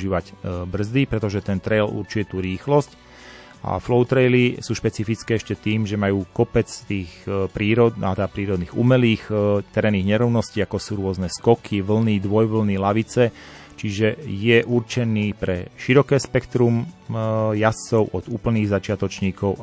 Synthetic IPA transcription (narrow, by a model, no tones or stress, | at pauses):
ʒiːʋacbr̩zd̪ipɾɛt̪ɔʒɛt̪ɛnt̪ɾɛjlṵɾt͡ʃuiɛt̪uɾiːxlɔsc | ʔa̰flɔʊt̪ɾɛjlisuːʃpɛt͡sifit͡skɛːɛʃcɛt̪iːmʒɛmajuːkɔpɛt͡st̪iːxpɾiːɾɔd̪at̪ɛd̪apɾiːɾɔd̪niːɣṵmɛliːxt̪ɛɾɛːniːɣɲɛɾɔʊnɔsciːakɔsuːɾʊɔznɛskɔkʰiʋl̩nid̪ʋɔjʋl̩nilaʋit͡sɛ | t͡ʃiʒɛjɛʔuɾt͡ʃɛniːpɾɛʃiɾɔkɛːspɛkt̪ɾum | jast͡sɔʊʔɔd̪uːpl̩niːɣzat͡ʃɪat̪ɔt͡ʃɲiːkɔʊ